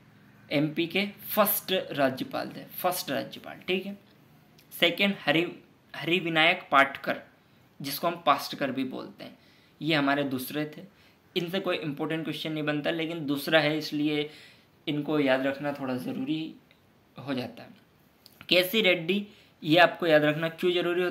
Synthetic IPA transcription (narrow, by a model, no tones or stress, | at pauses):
ɛːmpikefʰəɾsʈɾaːd͡ʒjəpa̰ːlt̪ʰefʰɐɾsʈɾa̰ːd͡ʒjəpa̰ːlʈʰiːkɦɛː | sɛːkẽɳɖhɐɾi | hɐɾiʋɪnaːjəkpaːɾʈʰkəɾ | d͡ʒɪskoɦɐ̃mpaːsʈkɐɾbʱibo̰ːlt̪ḛɦɛ̃ː | jeɦɐmaːɾed̪uːsɾet̪ʰeː | ɪnsekoːiʔɪ̃mpɔːɾʈə̃ɳʈ̚kwɛʃt͡ʃənːɐɦĩbɐnt̪aɦleːkɪnd̪uːsɾaɦɛɪslie | ɪnkojaːd̪ɾɐkʰnat̪ʰoːɽazɐɾuːɾi | ɦod͡ʒaːt̪aɦɛː | kɛːsiɾeːɖːi | jeaːp̚kojaːd̪ɾɐkʰnakjõzɐɾuːɾiɦoː